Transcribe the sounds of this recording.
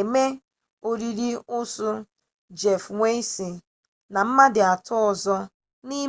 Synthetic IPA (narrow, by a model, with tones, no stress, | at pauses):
e˨me˦ | o˦ɾi˦ɾi˦ʊ˦sʊ˦ | d͡ʒe˨fŋʷe˦i˦si˨ | na˨m̩˦ma˦dɪ˨a˨tɔ˦ɔ˨zɔ˦ | ni˦